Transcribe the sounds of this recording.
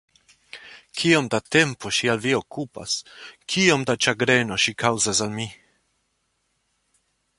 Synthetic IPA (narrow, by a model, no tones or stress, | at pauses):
kʰio̞md̪at̪e̞mpʰo̞ʃialvio̞kʰupa̰skʰio̞md̪at͡ʃaɡɾe̞no̞ʃikʰawzasalmi